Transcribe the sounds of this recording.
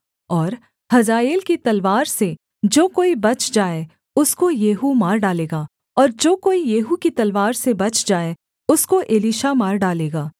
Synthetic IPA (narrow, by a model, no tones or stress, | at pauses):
ɔːɾ | hɐzaːeːlkit̪ɐlʋaːɾse | d͡ʒoːkoːibɐt͡ʃd͡ʒaːe | ʊskojeːɦumaːɾɖaːleːɡaː | ɔːɾd͡ʒoːkoːijeːɦukit̪ɐlʋaːɾsebɐt͡ʃd͡ʒaːe | ʊskoʔeːliːʃamaːɾɖaːleːɡaː